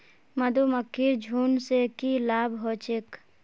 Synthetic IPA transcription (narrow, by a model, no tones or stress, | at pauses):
mɐd̪uməkʰːiɾd͡ʒʱuːnsekilaːbɦoːt͡ʃek